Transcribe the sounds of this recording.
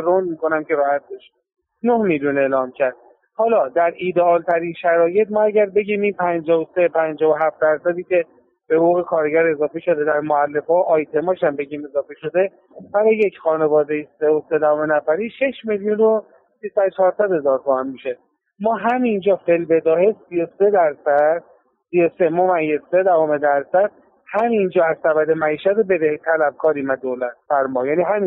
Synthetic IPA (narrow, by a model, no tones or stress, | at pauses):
ɾond̪miːko̞næmce̞ɾɒːhæt̪̚b̪eʃ | nohmiljune̞ːlɒːmcʰæɾd̪̥̚ | hɒːlɒːd̪æɾiːd̪eɒːlt̪ʰæɾiːnʃæɾɒːje̞t̪̚mɒːæɟæɾbe̞ɟiːmiːnpʰænd͡ʒɒːvose̞pʰænd͡ʒɒːvoɦæft̪̚d̪æɾsæd̪iːcʰe̞ | b̥e̞houːɣekʰɒːɾeɟæɾe̞zɒːfe̞ʃo̞d̪e̞d̪æɾmoælːe̞fɒːʔɒːjt̪ʰe̞mɒːʃæmbe̞ɟiːme̞zɒːfeʃo̞d̪e̞ | bæɾɒje̞cʰxɒːne̞vɒːd̪ejiseose̞d̪æhomenæfæɾiːʃe̞ʃme̞ljuno | sisæd̪ot͡ʃʰɒːɾsæd̪he̞zɒːɾt̪ʰomænmiʃe | mɒːɦæmind͡ʒɒːfe̞lbe̞d̪ɒːhesiose̞d̪æɾsæd̪̚ | siosemoːmæjːezːe̞d̪ævome̞d̪æɾsæd̪̥̚ | hæmind͡ʒɒːæzsæβæd̪e̞mæiːʃæt̪obe̞d̪et̪ʰælæb̚kʰɒːɾiːmæd̪oːlæt̪̚bæɾmɒːjæːniːɦæmi